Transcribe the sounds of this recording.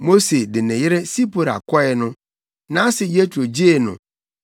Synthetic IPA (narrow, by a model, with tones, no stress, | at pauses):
mo˦se˨dɪ˨nɪ̃˨jɪ˦ɾɪ˦si˦pʰo˨ɾa̰˨kʰɔ˦ɛ˨nʊ̃˦ | nã˦sɪ˨je˦tʰu˨o˨d͡ʑi˦e˨nʊ̰̃˨